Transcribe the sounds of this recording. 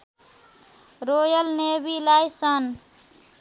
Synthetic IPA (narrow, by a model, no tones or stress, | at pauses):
ɾojʌlnebilajsʌn